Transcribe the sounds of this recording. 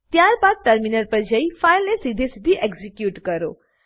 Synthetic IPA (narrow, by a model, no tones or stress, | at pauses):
t̪jaɾbad̪̚ʈəɾminəɾpəɾd͡ʒɐifʰajlnesid̪ʱesid̪ʱiʔeɡzikjuʈkəɾo̰